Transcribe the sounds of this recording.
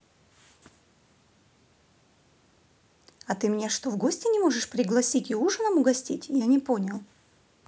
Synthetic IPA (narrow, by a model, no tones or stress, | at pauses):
ɐt̪ɨmʲnʲaʂt̪ovɡo̞sʲtʲɪnʲɪmo̞ʐɨʂpɾʲɪɡlˠɐsʲitʲɪuʐɨnəmʊɡɐsʲtʲitʲjanʲɪpo̞nʲɪlˠ